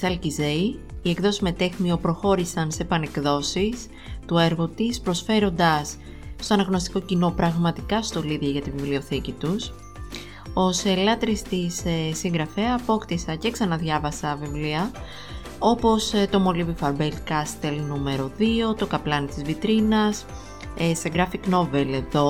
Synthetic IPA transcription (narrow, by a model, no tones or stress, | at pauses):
sɐlcize̞iie̞kðo̞sizme̞t̪e̞xmio̞pɾo̞xo̞ɾisɐnse̞pɐne̞kðo̞sis | t̪ue̞ɾɣot̪ispɾo̞sfe̞ɾo̞nd̪ɐs | st̪o̞ɐnɐɣno̞st̪i̥ko̞cino̞pɾɐɣmɐt̪ikɐst̪o̞liðʝɐʝɐt̪ivivlio̞θicit̪us | o̞selɐt̪ɾist̪isesiŋɡɾɐfeɐpo̞kt̪isɐce̞ksɐnɐðʝɐvɐsɐvivliɐ | o̞po̞st̪o̞mo̞livifɐɾbelkɐst̪e̞lnume̞ɾo̞ðio̞t̪o̞kɐplɐnit̪izvit̪ɾinɐs | eseɡɾɐfikno̞ve̞le̞ðo̞